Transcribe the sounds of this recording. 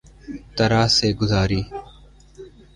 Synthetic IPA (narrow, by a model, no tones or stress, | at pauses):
t̪əɾaːseːɡʊzaːɾiː